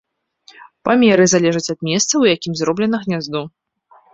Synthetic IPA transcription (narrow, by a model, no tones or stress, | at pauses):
pamʲɛɾɨzalʲɛʐɐt͡sʲɐd̪mʲɛst̪sɐwjakʲimzrɔblʲɛnɐɣnʲazd̪u